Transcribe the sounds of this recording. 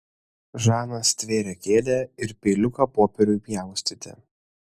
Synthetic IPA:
ʒɑːnɐst̪ʲʋʲeːɾʲɛkʲeːd̪ʲeɪɾpʲeːlʲʊkɐpoːpʲɛɾʲʊɪpʲjæˑʊsʲt̪ʲɪt̪ʲɛ̰

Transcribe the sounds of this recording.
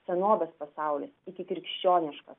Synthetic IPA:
sʲɛnoːbʲɛspɐsɑˑʊlʲɪsɪkʲɪkɾʲɪkʃʲt͡ʃʲoːnʲɪʃkɐs

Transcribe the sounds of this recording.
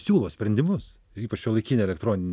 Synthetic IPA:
sʲuːlˠoːsʲpʲɾʲɛnʲd̪ʲɪmʊs | iːpɐt͡ʃjoːlˠɐɪkʲiːnʲeɛlʲɛkt̪ɾoːnʲɪnʲ

